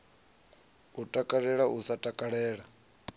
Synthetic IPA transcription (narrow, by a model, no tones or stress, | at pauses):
utʼakʼaɺɛɺaʔusatʼakʼaɺɛːɺa